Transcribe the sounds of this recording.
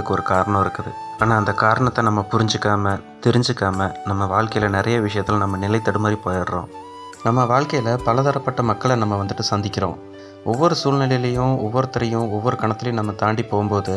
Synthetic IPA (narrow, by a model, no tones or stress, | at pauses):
ɯkːɯɔɾɯkaːɾɐɳɐ̃mɪɾɯkːɐðɯ̰ | aːnaːɐnd̪ɐkaːɾɐɳɐt̪ːɐnɐmːɐpʊɾɪɲd͡ʒɯkːaːmɐ | t̪ɛɾɪɲd͡ʒɯkːaːmɐnɐmːɐʋaːɻkɐjɪlɐnɪɾɐjɐʋɪʂɐjɐt̪ːɪlnɐmːɐnɪlɐɪt̪ːɐɽɯmaːd̪ɾipoːjaːɽɾõ̰ː | nɐmːɐʋaːɭkɐjɪlɐpɐlɐðɐɾɐpːɐʈːɐmɐkːɐɭɐnɐmːɐʋɐnd̪ɯʈːɯsɐnd̪ɪkːɪɾõ̰ː | ʔɔʋːɔɾɯsuːɭnɪlɐjɪlɐjʊ̃ɔʋːɔɾɯt̪ːɐɾɐjʊ̃ɔʋːɔɾɯkɐɳɐt̪ːɪlɐjʊ̃nɐmːɐt̪aːɳɖipoːɣʊmpoːðɯ